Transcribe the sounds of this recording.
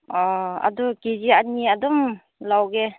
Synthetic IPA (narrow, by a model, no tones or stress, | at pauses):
ɔa̰dɔkizianiadɔm | lawɡe